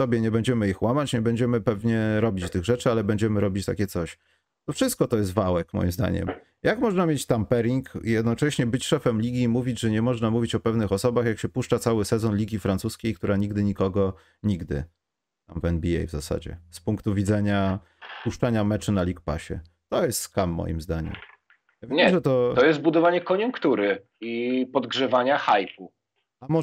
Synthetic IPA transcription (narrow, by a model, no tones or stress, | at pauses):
sɔbʲjɛɲɛbɛɲd͡ʑɛmɘixwamat͡ɕɲɛbɛɲd͡ʑɛmɘpɛvɲɛɾɔbʲit͡ɕt̪ɘɣʐɛt͡ʂɘalɛbɛɲd͡ʑɛmɘɾɔbʲit͡ɕt̪a̰kʲɛt̪sɔɕ | t̪ɔfʂɘst̪̚kɔt̪ɔjɛs̬t̪vawɛkmɔ̰jimzd̪a̰ɲɛ̰m | jakmɔʐnamʲjet͡ɕt̪ampɛɾiŋkjɛd̪nɔt͡ʂɛɕɲɛbɘt͡ɕʂɛfɛmlʲiɡʲimuvʲid͡ʑʐɛɲɛmɔʐnamuvʲit͡ɕɔpɛvnɘxɔsɔbaxjakɕɛpuʂt͡ʂat̪sawɘsɛzɔnlʲiɡʲifɾant̪suskʲejk̚t̪uɾaɲiɡ̚d̪ɘɲikɔɡɔ | ɲiɡd̪ɘ̰ | t̪amvɛnbʲiɛ̰jvzasa̰d͡ʑɛ̰spuŋkt̪uvʲidzɛɲa | puʂt͡ʂaɲamɛt͡ʂɘnalʲikpa̰ɕɛ̰ | t̪ɔjɛst̪skamːɔ̰jḭmzd̪aɲɛ̰m | javʲɲɛmʐɛt̪ɔɔjɛst̪̚bud̪ɔvaɲɛkɔɲuŋkt̪uɾɘ | ipɔd̪ɡʐɛvaɲaxajpu | amɔ